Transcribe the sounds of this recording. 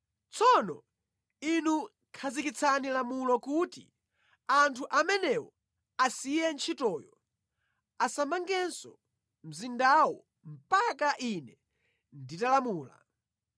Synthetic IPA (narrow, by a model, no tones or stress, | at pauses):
t͡sʰɔnɔ | inu | kʰazikit͡sʰanilamulɔkuːti | antʰuʔamɛnɛwɔ | asijɛnt͡ʃʰitɔːjɔ | asamaŋɡɛnsɔ | m̩zindawɔ | m̩pakaʔinɛ | nditalamuːla̰